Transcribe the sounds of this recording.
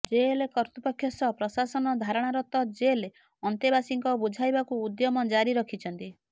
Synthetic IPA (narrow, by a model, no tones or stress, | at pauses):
d͡ʒelekɔɾt̪upɔkʰjɔsɔpɾɔsasɔnɔd̪ʱaɾɔɽ̃aɾɔt̪ɔd͡ʒele | ɔnt̪ebasiŋkɔbud͡ʒʱajbakuːd̪jɔmɔd͡ʒaɾiɾɔkʰit͡ʃʰɔnt̪i